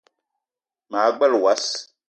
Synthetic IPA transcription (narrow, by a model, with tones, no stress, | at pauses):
maː˨˦ɡ͡bɛ˦lwa˦s